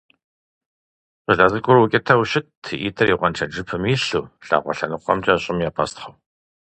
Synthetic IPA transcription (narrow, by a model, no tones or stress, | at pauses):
qəɮɐzɨɡʷʊɾwʊkʲʼɪtʰɐwɕɪtʰɨʔitʰɐriːʁʷɔnt͡ʃʰɐd͡ʒɨpʰɨmiːɬuːɬa̰ːʁʷɔ̰ɬɐnɨqʷɔ̰mt͡ʃʼɐɕʼɪmjaːpʰɐstʰχɐw